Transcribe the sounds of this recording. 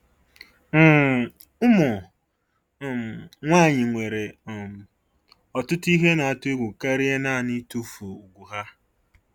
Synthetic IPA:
m̩˦˨ | ʊ˦mʊ˨ | ŋʷa˦˨ɲɪ˨ŋʷe˨ɾe˨ | ɔ˨tʊ˦ti˦ɦe˦na˨a˨tʊ˦e˦ɡʷu˨ka˦ɾɪ˦e˦na˦˨ni˦tu˦fu˨u˨ɡʷu˨ɦa˦

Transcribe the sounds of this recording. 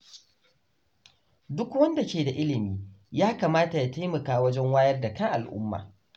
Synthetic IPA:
dʊ˦kwɐ˦nda˨kʲeː˨da˨ʔɪ˦lɪ˨miː˦jaː˦kaː˨maː˦ta˨ja˨ta˦jmɐ˨kaː˦wɐ˦d͡ʒɛ˦ŋwaː˦jɐ˦rda˨kɐ˦ŋʔa˨lʔʊ̰˦mːa̰ː˨

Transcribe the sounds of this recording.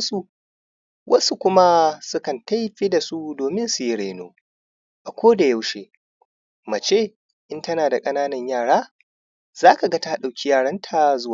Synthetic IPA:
su˦ | wʔɐ˦su˦kʷʊ˦ma˦sʊ˦kɐ˨nta˦jɸi˦da˨su˦doː˨mɪ˦nsu˨ji˦ɽa˨no̰ː˦ | ʔa˨kʷoː˦da˨ja˦wʃeː˦ | mɐ˨t͡ʃeː˦ | ʔɪ˦ntɐ˦naː˨da˨kʼɐ˦naː˦nɐ˨ɲjaː˨ɽaː˦ | z̥aː˦ka˨ɡa˦ta˦ɗa˨wkʲi˦jaː˦˨ɽɐ˦ntʰa˨zʊ˦wa˨

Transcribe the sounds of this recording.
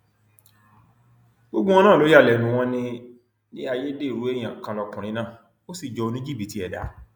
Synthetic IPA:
ɡ͡bo˦ɡ͡bũ˦ɔ̃˧nãː˦˨lo˨˦ja˦˨lɛ˨nũ˨˦w̃ɔ̃˦nĩ˧ | ni˦a˧je˦de˦˨ɾu˨˦e˦˨j̃ã˨kã˧lɔ˧kũ˨ɾ̃ĩ˧˦nãː˦˨ | o˦si˦˨d͡ʒɔ˧˦o˧nĩ˦d͡ʒi˦bi˨˦ti˦ɛ˨da̰˨˦

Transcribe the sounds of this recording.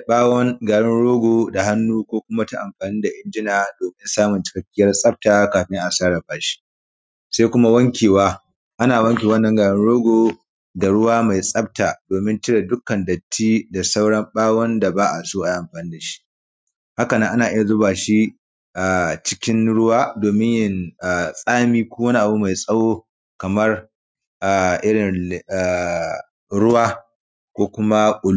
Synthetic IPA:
ɓaː˦wɐ˦ŋɡaː˨ɽɪ˦nɽoː˦ɡʷoː˨da˨ha˦nːuː˦kʷoː˦kʷʊ˦ma˦ta˦ʔa˨mɸaː˨niː˦da˨ʔɪ˦nd͡ʒɪ˦naː˨doː˨mɪ˦nsaː˦mʊ˨nt͡ʃɪ̥˦kɐ˦kʲːɪ˦jɐ˦rsʼɐ˦b̚taː˨kaː˨ɸɪ˦ŋʔa˨saː˦ɽɐ˨baː˨ʃi̥˦ | sa˦jkʷʊ˦ma˦wɐ˦ŋkʲeː˨waː˦ | ʔa˦naː˨wɐ˦ŋkʲeː˨wɐ˦nːɐ˦ŋɡaː˨ɽɪ˦nɽoː˦ɡʷoː˨ | da˨ɽʊ˦waː˦ma˨jsʼɐ˦b̚taː˨doː˨mɪ˦ntɪ˦ɽa˨dʊ˦kɐ˨ndɐ˨tʰːiː˦da˨sa˦wɽɐ˦mɓaː˦wɐ˦nda˨baː˦ʔa˨soː˦ʔa˨jʔa˨mɸaː˨niː˦da˨ʃi̥˦ʔ | ha˦kɐ˨nɐ˦ŋʔa˦naː˨ʔɪ˦ja˨zʊ˦baː˨ʃi˦ | ʔa˨t͡ʃɪ˦kʲɪ˦nɽʊ˦waː˦doː˨mɪ˦ɲjɪ˦na˨sʼaː˦miː˦kʷoː˦wɐ˦ni˦ʔa˨bu˦ma˨jsʼɐ˦woː˦ | kɐ˨mɐ˦r | ʔa˨ʔɪ˦ɽɪ˨na˨ | ɽʊ˦waː˦ | kʷoː˦kʷʊ˦ma˦kʼʊ˨l

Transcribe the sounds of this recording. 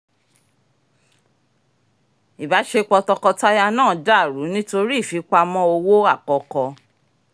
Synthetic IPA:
i˨ba˨˦ʃe˧k͡pɔ˧tɔ˧kɔ˧ta˦ja˧nãː˦˨da˦˨ɾu˨˦nĩ˦to˧ɾi˦i˦˨fi˨˦k͡pa˧mɔ̃˧˦o˧wo˦a˦˨kɔ˨kɔ˧

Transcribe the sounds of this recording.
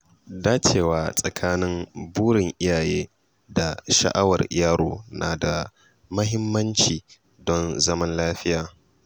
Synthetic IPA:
daː˦t͡ʃeː˨waː˨sʼɐ˨kʰaː˦nɪ˦mbuː˦ɽɪ˨ŋʔɪ˦jaː˨jeː˦ | da˨ʃɐ̰˨ʔa˦wɐ˨rjaː˦ɾoː˨naː˨da˨ | mɐ˦ɦɪ˦mːɐ˦nt͡ʃiː˨ | dɔ˦nzɐ˦mɐ˦nlaː˦ɸɪ˦jaː˨

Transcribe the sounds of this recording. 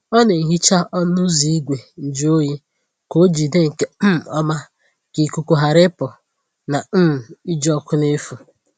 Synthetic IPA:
ɔ˦ne˨ŋ̩˨ɦi˦t͡ʃa˦ʔɔ˦n˦ʊ˦zi˨i˦ɡʷe˨n̩˨d͡ʒi˦o˦ji˦ | ko˦d͡ʒi˨de˦ŋ̩˨ke˦m̩˨ɔ˦ma˦ | ki˨ku˦ku˦ɦa˨ɾɪ˦pʊ˨ | na˨˦m̩˨i˦d͡ʒɔ˦kʷʊ˦ne˦fu˨

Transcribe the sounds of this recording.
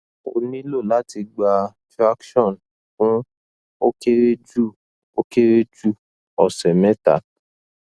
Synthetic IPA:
o̰˧nĩ˦lo˦˨la˦ti˧ɡ͡ba˧tɾa˦kʃɔ̃˦˨n | kũ˦ | o˦ke˦ɾe˦d͡ʒu˦˨ | o˦ke˦ɾe˦d͡ʒu˦˨ | ɔ˨sɛ˨mɛ˦ta̰˨

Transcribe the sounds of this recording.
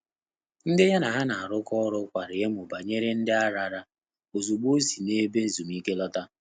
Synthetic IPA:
n̩˦dɪ˦ja˦na˨ɦa˦na˨a˨ɾʊ˦kɔ˦ɾʊ˦kʷa˨ɾɪ˨je˦m˨ʊ˨ba˨ɲe˦ɾe˦n̩˦dɪ˦a˦ɾa˨ɾa˦ | o˨zu˨ɡ͡bo˦si˨ne˦be˦n̩˨zu˨m˦i˦ke˦lɔ˦ta˦

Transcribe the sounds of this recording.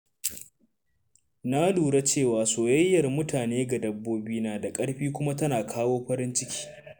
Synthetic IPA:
na˦luː˨ɽa˦t͡ʃeː˦˨waː˨soː˨jɐ˦jːɐ˨rmʊ˦tʰaː˨neː˦ɡa˨dɐ˦bːoː˦biː˦naː˨da˨kʼɐ˦ɽɸiː˦kʷʊ˦ma˦tɐ˦naː˨kʰaː˦woː˦ɸɐ˦ɾɪ˦nt͡ʃɪ˦kʲʰi̥ː˦

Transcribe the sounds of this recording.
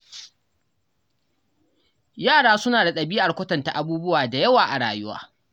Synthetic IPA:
jaː˦˨ɽaː˦sʊ˦naː˨da˨ɗɐ˨biː˦ʔa˨kʷɐ˦tɐ˨nta˨ʔa˨buː˦bʊ˦waː˨da˨jɐ˦waː˨ʔa˨ɽa̰ː˨jʊ˦wa̰ː˦

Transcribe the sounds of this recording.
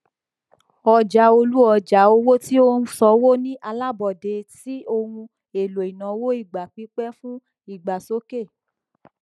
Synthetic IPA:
ɔ˨d͡ʒa˨˦o˧lu˦ɔ˧˨d͡ʒa˨˦o˧˦wo˦ti˦o˦nũ˦sɔ˧˦wo˦nĩ˦ʔa˧la˦bɔ˨de˨˧ti˦o˧hũ˧ | e˨lo˨i˨nã˨˦wo˦i˦˨ɡ͡ba˨k͡pi˨˦k͡pɛ˦fũ˦ | i˦˨ɡ͡ba˨so˦ke˦˨

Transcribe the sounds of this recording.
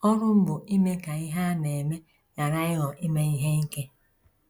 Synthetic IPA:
ɔ˦ɾʊ˦m̩˦bʊ˨ʔi˦me˦ka˨i˦ɦa˦ne˨me˦ | ja˨ɾa˦ɪ˦ɦɔ˨ʔi˦me˦i˦ɦe˦ŋ̩˦ke˦

